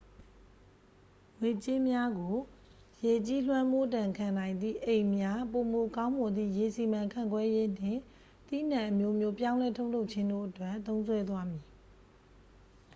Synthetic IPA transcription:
ŋwe˨t͡ɕɪ˦mja˦ɡo˨ | je˨t͡ɕi˦lwã˦mo˦˨tã˨ŋkʰã˨nã˨ɪ̃nd̪ðḭ˦˨ʔẽ˨ɪ̃mja˦po˨mo˨kã˦ʊ̃mɔ˨d̪ðḭ˦˨je˨si˨mã˨ŋkʰã̰˦˨ŋɡwɛ˦je˦n̥ɪ̰̃˦˨ | t̪ḭ˦˨n̥ã˨ʔəmjo˦mjo˦pjã˦ʊ̃lɛ˦tʰo˦ʊʔl̥o˦ʊʔt͡ɕʰɪ̃˦ndo̰˦˨ʔətwɛ˦˨t̪õ˦ʊ̃nsʰwɛ˦d̪wa˦mji˨

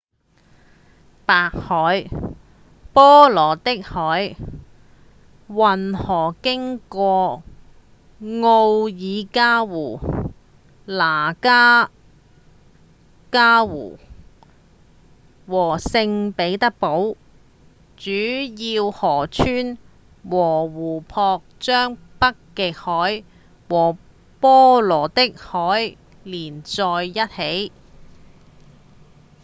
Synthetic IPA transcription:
paː˨k̚hɔː˨˥j | pɔː˥lɔː˨˩t̪ɪ˥k̚hɔː˨˥j | wɐ˨˩nhɔː˨˩kɪ˥ŋkɔː˧ | ŋo˧wjiː˨˧kaː˥wuː˨˩ | laː˨˩kaː˥ | kaː˥wṵː˨˩ | wɔː˨˩sɪ˧ŋpe˨˥jt̪ɐ˥k̚po˨˥w | t͡ʃyː˨˥jiː˧whɔː˨˩t͡ʃʰyː˥n | wɔː˨˩wuː˨˩pʰɔː˧k̚t͡ʃœː˥ŋpɐ˥kːɪ˨˧k̚hɔː˨˥j | wɔː˨˩ | pɔː˥lɔː˨˩t̪ɪ˥k̚hɔː˨˥j | liː˨˩nt͡sɔː˧jːɐ˥t̚he˨˥j

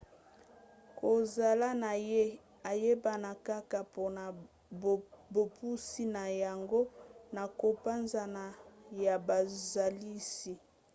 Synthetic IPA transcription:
ko˨za˨la˦na˨je˦ | a˨je˦ba˨na˨ka˦ka˨po˦na˨ | bo˨pu˦si˦na˨ja˨ŋɡo˦na˨ko˨pa˦nza˨na˨ja˨ba˨za˨li˦si˦

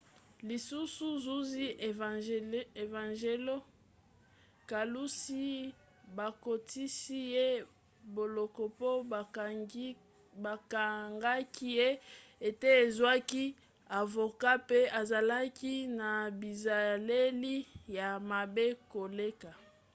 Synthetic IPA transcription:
li˨su˦su˦zu˦zi˦ʔ | e˨vã˨ʒe˦lo˦ | ka˨lu˦si˦ | ba˨ko˨ti˦si˦je˦ | bo˨lɔ˨kɔ˨po˦˨ | ba˨ka˨ŋɡa˦ki˦je˦e˨te˦e˨zwa˦ki˦ | a˨vo˨ka˦pe˦a˨za˨la˦ki˦na˨bi˨za˨le˦li˦ja˨ma˨be˦ko˨le˦ka˨

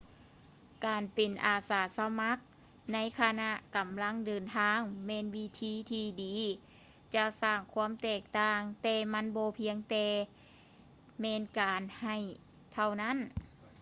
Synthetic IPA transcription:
kaː˨npe˨˩nʔaː˨˩saː˨˦sa˧ma˧˦˥k̚ | na˧˥˨jkʰa˧na˧˥ʔka˨˩mla˧˥˨ŋdɤː˨nt̪ʰaː˧˥˨ŋmɛː˧˥˨nwi˧˥t̪ʰiː˧˩˨t̪ʰiː˧diː˨ | t͡ɕa˧saː˧˩ŋkʰu˧˥əmt̪ɛː˧˩k̚t̪aː˧ŋt̪ɛː˧ma˧˥˨nbɔː˧pʰi˧˥əŋt̪ɛː˧ | mɛː˧˥˨nkaː˨˩nha˧˩j | t̪ʰa˧˩wna˧˥˨n

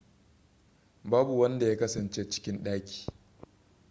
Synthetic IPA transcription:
baː˦bu˨wɐ˦nda˨jaː˦kɐ˦sɐ˨nt͡ʃeː˦t͡ʃɪ̥˦kʲɪ˦nɗaː˦kʲi̥ː˨

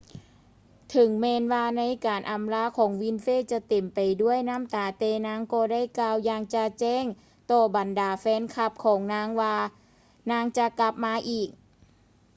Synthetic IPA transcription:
t̪ʰɯ˨˦ŋmɛː˧nwaː˧na˧˥jkaː˨˩nʔa˨˧mlaː˧˥kʰɔː˩˦ŋwi˧˥nfeː˧˥˩t͡ɕa˧˩t̪e˨˩mpa˨˩jdu˥˩əjna˥˨mt̪aː˨˩t̪ɛː˧˩naː˦˥ŋkɔː˧˩daː˥˩jklaː˧wjaː˧ŋt͡ɕa˧t͡ɕɛː˥˩ŋ | t̪ɔː˧˩ba˨˩ndaː˨˩fɛː˧˥nkʰa˧˩p̚kʰɔː˩˦ŋnaː˧˥ŋwaː˧ | naː˧˥ŋt͡ɕa˧˨kla˧˩p̚maː˧˥ʔiː˨˩k̚

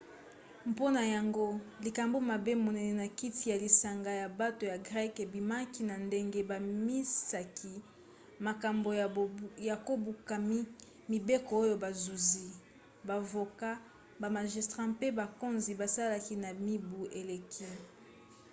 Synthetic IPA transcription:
mpo˦na˨ja˨ŋɡo˦li˨ka˨mbo˦ma˨be˦mo˨nɛ˨ne˨na˨ki˦ti˨ja˨li˨sa˨ŋɡa˨ja˨ba˦to˨ja˨ɡʁɛ˦ke˨bi˨ma˦ki˦na˨nde˦ŋɡe˦ba˨mi˦sa˨kʰi˦ | ma˨ka˨mbo˨ja˨ko˦bu˨ka˨˦ | mi˨be˦ko˨o˦jo˦ba˨zu˨zi˦ | ba˨vo˨ka˦ | ba˨ma˨ʒi˨stʁa˦mpe˦ba˨ko˦nzi˨ba˨sa˦la˨ki˦na˨mi˦bu˨ʔe˨le˨kʰi˦

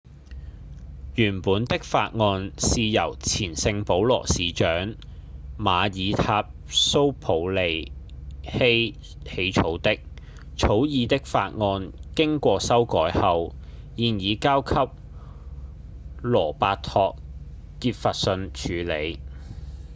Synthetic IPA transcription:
jyː˨˩npuː˨˥nt̪ɪ˥k̚fa̰ː˧t̚ŋɔː˧nsiː˨˧jɐ˨˩wt͡sʰiː˨˩nsɪ˧ŋpo˨˥wlɔ̰ː˨˩siː˨˧t͡ʃœː˨˥ŋ | maː˨˧jiː˨˧t̪ʰaː˧p̚so˥wpʰo˨˧wle˨j | he˥j | he˨˧jt͡sʰo˨˥wt̪ɪ˥k̚ | t͡sʰo˨˥wjiː˨˧t̪ɪ˥k̚fa̰ː˧t̚ŋɔː˧nkɪ˥ŋkʷɔː˧sɐ˥wkɔː˨˥jhɐ˨˧w | jiː˨njiː˨˧kaː˥wkʰɐ˥p̚ | lɔː˨˩paː˧t̪ʰɔː˧k̚ː | iː˧t̚fa˨t̚sɵ˧nt͡ʃʰyː˨˧le˨˧j

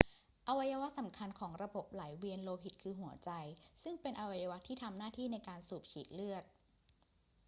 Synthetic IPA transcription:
ʔa˧wa˧jaː˧wa˦˥sa˩˦mkʰa˧nkʰɔː˩˦ŋɾa˧bo˨˩p̚laː˩˦jwi˧ənloː˧ɦi˨˩t̪̚kʰɯː˧ɦu˨˩˦ɐt͡ɕa˧jsɯ˥˩ŋpe˧nʔa˧wa˧jaː˧wa˦˥t̪ʰiː˥˩t̪ʰa˧mnaː˥˩t̪ʰiː˥˩na˧jkaː˧nsuː˨˩p̚t͡ɕʰiː˨˦t̪̚lɯ˥˩ət̪̚

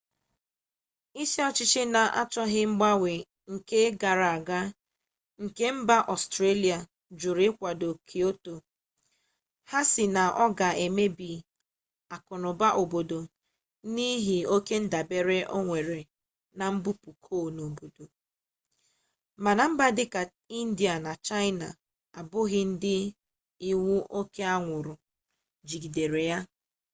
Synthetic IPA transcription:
i˦ʃe˦ɔ˦t͡ʃɪ˦t͡ʃɪ˦na˨ʔa̰˦t͡ʃɔ˦ɦɪ˦mŋ͡m̩˦ɡ͡ba˦wʷe˨ | ŋ̩˨ke˦ɡa˨ɾa˨a˨ɡa˦ | ŋ̩˨ke˦m̩˦ba˦ʔɔ˨stɾe˦li˨a˨ | d͡ʒʊ˨ɾɪ˦kʷa˨do˨kʰi˨o˦to˨ | ha˦sɪ˨na˨ʔɔ˦ɡa˨e˨me˦bi˨ | a˨kʊ˨nʊ˨ba˦ʔo˨bo˨do˨ | ni˦ɦɪ˨o˦ke˦n̩˦da˨be˨ɾe˦ʔo˦ŋʷe˨ɾe˨ | na˨m̩˦bu˦pu˨kʰoː˦˨no˨bo˨do˨ | ma˨na˨m̩˦ba˦dɪ˦ka˨ | i˦n̩˦di˨a˨na˨t͡ʃa˦ɪ˦na˨ | a˨bʊ˦ɣɪ˦n̩˦dɪ˦ | i˦ŋu˦ʔo˦ke˦a˦ŋʷʊ˨ɾʊ˨ | d͡ʒi˨ɡi˨de˨ɾe˨ja˦

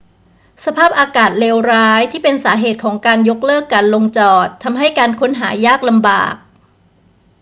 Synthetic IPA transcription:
sa˧pʰaː˥˩p̚ʔaː˧kaː˨˩t̪̚leː˧wɾaː˦˥jt̪ʰiː˥˩pe˧nsaː˩˦ɦeː˨˩t̪̚kʰɔː˩˦ŋkaː˧njo˦˥k̚lɤː˥˩kːaː˧nlo˧ŋt͡ɕɔː˨˩t̪ʰːa˧mɦa˥˩jkaː˧nkʰo˦˥nɦa̰ː˩˦jaː˥˩k̚la˧mba̰ː˨˩k̚

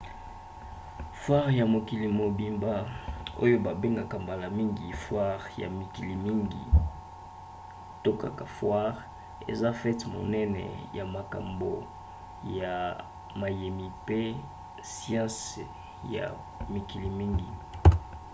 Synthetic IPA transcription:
fwa˦ʁja˨mo˨ki˨li˨mo˨bi˨mba˦o̰˦jo˦ba˨be˦ŋɡa˨ka˨mba˨la˨mi˦ŋɡi˨fwa˦ʁja̰˨mi˨ki˨li˨mi˦ŋɡḭ˨ | to˦ka̰˨ka˨fwa˦ʁ | ḛ˨za˦fɛ˦tmo̰˨nɛ˦nɛ̰˨ja˨ma˨ka̰˨mbo˨ | ja˨ | ma˨je˨mi˨pe˦ | sjɑ̃˦s | ja̰˨ | mi˨ki˨li˨mi˦ŋɡi˨

